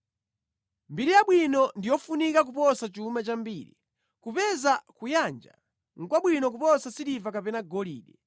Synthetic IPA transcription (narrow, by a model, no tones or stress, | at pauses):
mbiɾijaɓwinɔndijɔfunikak̬upɔsat͡ʃumat͡ʃambiːɾḭ | kupɛzakujand͡ʒa̰ | ŋ̩kwaɓwinɔk̬upɔsasidivakapɛnaɡɔliːɗɛ